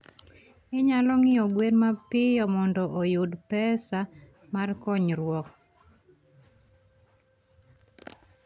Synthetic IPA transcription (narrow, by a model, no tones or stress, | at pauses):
ɪɲalɔŋɪɔɡweɾmapɪjɔmɔndɔʔojudpɛsa | markɔɲɾwɔk